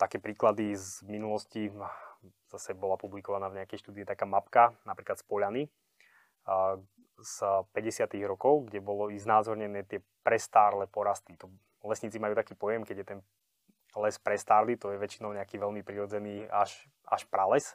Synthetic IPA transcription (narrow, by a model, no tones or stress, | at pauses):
t̪akɛːpɾiːklad̪izminulɔsci | z̥asɛbɔlapublikɔʋanaːvɲɛakɛjʃt̪uːd̪iit̪akaːmapkanapɾiːklat̪spɔʎani | z̥pɛɟɛsɪat̪iɣɾɔkɔʊɡɟɛbɔlɔiznaːzɔɾɲɛnɛːt̪ɪɛ | pɾɛst̪aːɾlɛpɔɾast̪it̪ɔ | lɛsɲiːt͡simajuːt̪akiːpɔjɛmkɛɟjɛt̪ɛn | lɛspɾɛst̪aːɾlit̪ɔjɛʋɛt͡ʃinɔʊɲɛakiːʋɛlmipɾiɾɔd͡zɛniːaʃ | a̰ʃpɾalɛs